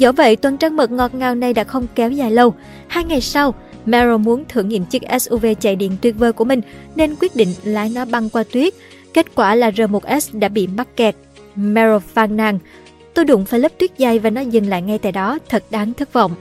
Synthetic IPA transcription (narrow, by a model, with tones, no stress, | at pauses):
zɔ̰˧˥˦və̰˧˨jt̪wə˨˩nt͡ɕaː˧ŋmə˨˩t̚ŋɔ˨˩t̚ŋaː˨˩wna˨˩jɗa̰ː˧˥xə˧wŋ͡mkɛ˨˦wzaː˨˩jlə˧w | haː˧jŋa˨˩jsa˧w | mɛ˧ɹo˧mu˨˦ənt̪ʰɨ̰˧˩əŋːḭ˧˨əmt͡ɕɨ˦˥k̚ʔɛ˦˥sʔu˧ve˧t͡ɕa̰ː˧˨jɗḭ˧˨ənt̪wi˧˩ət̚vəː˧jku˧˩əmï˨˩ŋ̟ne˧nkwi˦˥ət̚ɗḭ˧˨ŋ̟laː˨˦jnɔ˨˦ɓa˧ŋkwaː˧t̪wi˦˥ət̚ | ke˦˥t̚kwaː˧˩laː˨˩zəː˨˩mo˨˩t̚ʔɛ˦˥sɗa̰ː˧˥ɓḭ˧˨ma˦˥k̚kɛ˨˩t̚ | mɛ˧ɹo˧faː˧nːaː˧ŋ | t̪o˧jɗʊ̰˧˥ŋ͡mfaː˧jlə˦˥p̚t̪wət̚zaː˧˩jvaː˨˩nɔ˨˦zɨ˨˩ŋla̰ː˧˨jŋa˧jt̪a̰ː˧˨jɗɔ˨˦t̪ʰə˨˩t̚ɗaː˨˦ŋt̪ʰɨ˦˥k̚vɔ̰˧˨wŋ͡mʔ